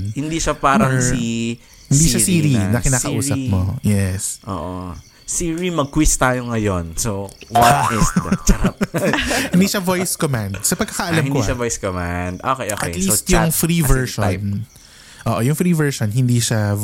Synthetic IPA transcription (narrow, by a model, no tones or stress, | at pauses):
hɪnd̪iːʃapaːɾɐŋsi | hɪnd̪iːʃasiːɾinɐkɪnaːɐʔuːsɐpmojɛsʔo̰ːʔo | siːɹimɐɡ̚kwist̪aːjoŋɐjonsowɐt̪ɪsd̪t͡ʃɐkap̚hɪnd̪iːʃɐvojskomand̪̚sɐpɐɡ̚kːɐkɐʔɐlɐhɪniʃɐvojskomand̪ʔoːkɛjʔoːkɐj̪liosjʊŋfɾivɛɹʃon | ʔoːʔojʊŋfɾiːvɛɹʃonhɪnd̪iːʃa